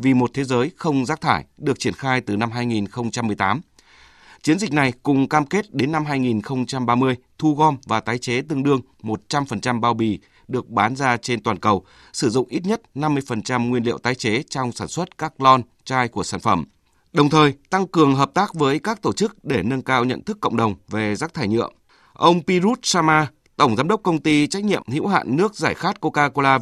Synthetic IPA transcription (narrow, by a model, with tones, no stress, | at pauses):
vi˨˩mo˨˩t̚t̪ʰe˨˦zəː˨˦jxə˧wŋ͡mzaː˦˥k̚t̪ʰaː˧˩jɗɨ˨˩ək̚t͡ɕi˧˩ənxaː˧jt̪ɨ˨˩na˧mɦaː˧jŋi˨˩nxə˧wŋ͡mt͡ɕa˧mːɨ˨˩əjt̪aː˨˦m | t͡ɕi˨˦ənzï˨˩k̟̚na˨˩jkʊ˨˩ŋ͡mkaː˧mke˦˥t̚ɗe˨˦nːa˧mɦaː˧jŋi˨˩nxə˧wŋ͡mt͡ɕa˧mɓaː˧mɨ˧əjt̪ʰu˧ɣɔ˧mvaː˨˩t̪aː˨˦jt͡ɕe˨˦t̪ɨ˧əŋɗɨ˧əŋ | mo˨˩t̚t͡ɕa˧mfə˨˩nt͡ɕa˧mɓaː˧˩wɓi˨˩ | ɗɨ˨˩ək̚ɓaː˨˦nzaː˧t͡ɕe˧nt̪waː˨˩nkə˨˩w | sɨ˧˩zʊ̰˧˨ŋ͡mʔi˦˥t̚ɲə˦˥t̚na˧mːɨ˧əjfə˨˩nt͡ɕa˧mŋwi˧nlḭ˧˨əwt̪aː˨˦jt͡ɕe˨˦t͡ɕɔ˧wŋ͡msaː˧˩nswə˦˥t̚kaː˦˥k̚lɔ˧n | t͡ɕaː˧jku˧˩əsaː˧˩nfə˧˩m | ɗə˨˩wŋ͡mt̪ʰəː˨˩jt̪a˧ŋkɨ˨˩əŋɦəː˨˩p̚t̪aː˦˥k̚vəː˨˦jkaː˦˥k̚t̪o˧˩t͡ɕɨ˦˥k̚ɗe˧˩nə˧nkaː˧wɲə̰˧˨nt̪ɨ˦˥kːə̰˧˨wŋ͡mɗə˨˩wŋ͡mve˨˩zaː˦˥k̚t̪ʰaː˧˩jɲɨ̰˧˨əm | ʔə˧wŋ͡mpi˧zu˦˥t̚saː˧maː˧ | t̪ə˧˩wŋ͡mzaː˨˦mɗə˦˥k͡p̚kə˧wŋ͡mt̪i˧t͡ɕa˦˥k̚ɲḭ˧˨əmhḭ˧˥wɦa̰ː˧˨nːɨ˦˥ək̚zaː˧˩jxaː˦˥t̚ko˧kaː˧ko˧laː˧